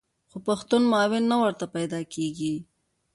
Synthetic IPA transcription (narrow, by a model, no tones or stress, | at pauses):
xopaxt̪unmɑːwɪnːawəɾt̪apajd̪ɑkeɡi